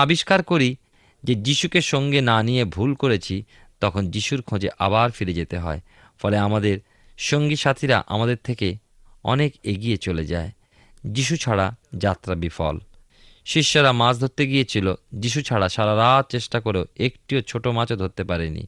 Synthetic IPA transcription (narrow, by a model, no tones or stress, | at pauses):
abiʃkaɾkoɾi | d͡ʑed͡ʑiʃukeʃɔŋɡenanijebʱulkoɾet͡ɕʰi | t̪ɔkʰond͡ʑiʃuɾkʰõd͡ʑeʔa̰baɾfiɾed͡ʑet̪eɦɔ̰e | fɔleamad̪eɾ | ʃoŋɡiʃat̪ʰiɾa̰ʔa̰mad̪eɾt̪ʰeke | ɔ̰nekeɡijet͡ɕoled͡ʑae | d͡ʑiʃ̬ut͡ɕʰaɽad͡ʑat̪ːɾabifɔ̰l | ʃiʃːoɾamasd̪ʱot̪ːeɡijet͡ɕʰilod͡ʑiʃ̬ut͡ɕʰaɽaʃaɾaɾat̪̚t͡ɕeʃʈakoɾeoekʈiot͡ɕʰoʈomat͡ɕod̪ɦot̪ːepaɾenḭ